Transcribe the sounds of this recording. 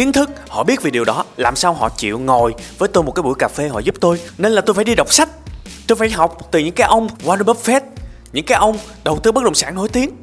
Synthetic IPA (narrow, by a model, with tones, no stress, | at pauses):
xi˨˦əŋt̪ʰɨ˦˥k̚hɔ̰˧˨ɓi˦˥ət̚vi˨˩ɗi˨˩əwɗɔ˨˦laː˨˩msaː˧wɦɔ̰˧˨t͡ɕḭ˧˨wŋo˨˩jvəː˨˦jt̪o˧jmo˨˩kaː˨˦jɓu˧˩jkaː˨˩fe˧hɔ̰˧˨zu˦˥p̚t̪o˧jne˧nlaː˨˩t̪o˧jfaː˧˩jɗi˧ɗə˨˩wk͡p̚sa˦˥jk̟̚t̪o˧jfaː˧˩jɦa˨˩wk͡p̚t̪ɨ˨˩ɲɨ̰˧˥ŋkaː˨˦jʔə˧wŋ͡mvwaː˧nə˧ɓə˦˥p̚fɛ˦˥t̚ | ɲɨ̰˧˥ŋkaː˨˦jʔə˧wŋ͡m | ɗə˨˩wt̪ɨ˧˦ɓt̚ɗə̰˧˨ŋ͡msaː˧˩nːo̰˧˦jt̪i˨˦əŋ